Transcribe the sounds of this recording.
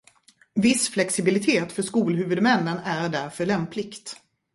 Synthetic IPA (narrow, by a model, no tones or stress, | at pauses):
vɪsflɛksɪbɪlɪt̪ʰeːt̪fœʂkuːlɦʉ̟vɵd̪mɛnːənæɾɖæɾfœɭɛmplɪkt̪